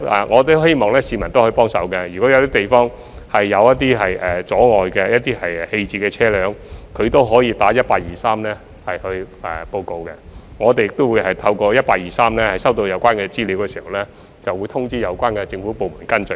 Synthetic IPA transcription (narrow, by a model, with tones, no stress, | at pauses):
a̰˨˩ŋʔɔː˨˧t̪̬o˥he˥jmɔː˨˩ŋlɛː˥siː˨˧mɐ˨˩nt̪o˥whɔ˧˥˨pɔː˥ŋsɐ̰˨˥wkɛ˧jyː˨kɔː˨˥jɐ˨˧t̪iː˥t̪e˨jfɔː˥ŋ | hɐ˨jːɐ˨˧wjɐ˥t̚t̪iː˥ɦɐ˨jʔɛ˨˩t͡sɔː˨˥ŋɔː˨jkɛ˧jɐ˥t̚t̪iː˥hɐ˨jhe˧jt͡siː˧kɛː˧t͡sʰɛː˥lœː˨˥ŋkʰɵ˨˧ɥt̪o˥wɦɔː˨˥jiː˧t̪aː˨˥jɐ˥t̚paː˧k̚jiː˨saː˥mlɛː˥ | hɐ˨jhɵ˧ɥʔɛ̰˨po˧wko˧wkɛ˧ŋɔː˨˧t̪e˨jɪ˨k̚t̪o˥wuː˨˧jhɐ˨jt̪ʰɐ˧wkɔː˧jɐ˥t̚paː˧k̚jiː˨saː˥mlɛː˥hɐ˨˩jsɐ˥wt̪̬o˧wjɐ˨˧wkʷaː˥nkɛ˧t͡siː˥li˨˥wkɛ˧siː˨˩hɐ˨˩wlɛː˥ | t͡sɐ˨wuː˨˧jt̪ʰʊ˥ŋt͡siː˥jɐ˨˧wkʷaː˥nkɛ˧t͡sɪ˧ŋfuː˨˥po˨wmuː˨˩nkɐ˥nt͡ʃɵ˨˩